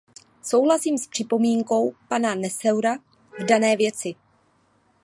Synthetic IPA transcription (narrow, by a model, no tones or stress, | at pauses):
so̞wɦlasiːmspr̝̥ɪpo̞miːŋko̞wpananɛsɛwɾa | vdanɛːvjɛt͡sɪ